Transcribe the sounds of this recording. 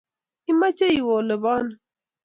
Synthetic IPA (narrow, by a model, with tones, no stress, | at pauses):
i˦ma˦t͡ʃe˦i˨wo˨lə˨bɔ˦n˨